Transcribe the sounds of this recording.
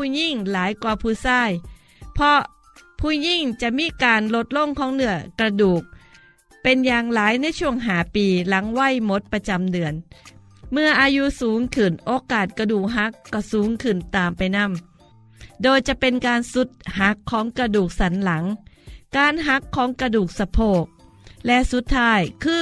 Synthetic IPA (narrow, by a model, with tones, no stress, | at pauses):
ɲi˥˩ŋlaː˨˩˦jkwaː˧˩pʰuː˧˩saː˥˩j | pʰɔ˧˥ | pʰuː˧˩ɲi˥˩ŋt͡ɕa˨˩ʔmiː˧˥˨kaː˧nlo˦˥t̪̚lo˧˥˩ŋkʰɔː˨˦ŋnɯ˨˧˩ɐkɾa˧duː˨˩k̚ | pe˧njaː˧ŋlaː˩˦jna˥˩jt͡ɕʰu˥˩əŋɦaː˨˩˦piː˧la˩˦ŋwa˥˩˨jmo˦˥t̪̚pa˧t͡ɕa˧mdɯ˨˧˩ən | mɯ˧ɐʔaː˧ju˦˥suː˩˦ŋkʰɯ˨˩nʔoː˧kaː˨˩t̪̚kɾa˧duː˨˩k̚ɦa˧˥kːɔː˧˩suː˩˦ŋkʰɯ˨˩nt̪aː˨mpa˧jna˧˥˩m | doː˧jt͡ɕa˨˩ʔpe˧nkaː˧nsu˨˦t̪̚ha˧˦˥kʰːɔː˩˦ŋkɾa˧duː˨˩k̚sa˩˦nla˩˦ŋkaː˧nɦa˧˥kʰːɔː˩˦ŋkɾa˧duː˨˩k̚sa˧pʰoː˧˩k̚ | lɛ˦˧˥su˨˦˥t̪ʰːaː˧˥˩jkʰɯː˧˩